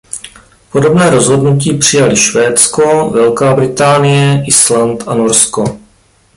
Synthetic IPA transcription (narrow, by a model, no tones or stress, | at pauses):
po̞do̞bnɛːɾo̞zɦo̞dnuciːpr̝̥ɪjalɪʃvɛːt͡sko̞vɛlkaːbɾɪt̪aːnɪjɛʔɪslant̪ʔanoɾsko̞